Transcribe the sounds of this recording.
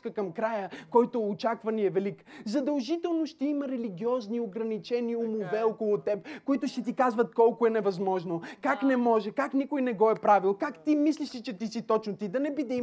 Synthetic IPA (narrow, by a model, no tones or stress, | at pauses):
kəkɐmkɾajəkɔjt̪ʊːt͡ʃakvɐniɛvɛlikzɐd̪ɐlˠʒit̪ɛlˠnoʃt̪ɛiməɾɛliɡʲiɔznioɡɾɐnit͡ʃɛniʊmovɛɔkolˠʊt̪ɛpkʊit̪ʊʃt̪ɛt̪ikazvɐt̪̚kɔlˠkʊɛnɛvɐzmɔʒnokaknɛmɔʒɛkaknikʊjnɛɡɔɛpɾavilˠkakt̪imisliʃsit͡ʃɛt̪isit̪ɔt͡ʃnot̪id̪ɐnɛbid̪ɛi